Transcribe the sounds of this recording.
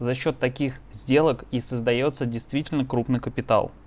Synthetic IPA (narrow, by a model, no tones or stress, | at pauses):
zɐɕːo̞t̪ːɐkʲixzʲdʲe̞lˠəkisəzd̪ɐjo̞t̪sədʲɪjst̪vʲitʲɪlʲnəkɾupnɨjkəpʲɪt̪a̰lˠ